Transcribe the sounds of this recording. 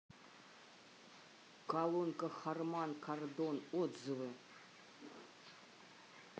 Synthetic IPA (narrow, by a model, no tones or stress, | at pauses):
kalˠonkɐxarmankʰard̪onod̪zɨvɨ